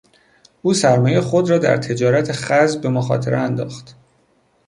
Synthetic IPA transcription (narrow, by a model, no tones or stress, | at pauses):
ʔuːsæɾmɒːjejexo̞d̪rɒːd̪æ̰ɾt̪ʰe̞d͡ʒɒːɾæt̪ʰeχæzbbe̞moxɒ̰ːt̪ʰeɾeænd̪ɒ̰ːxt̪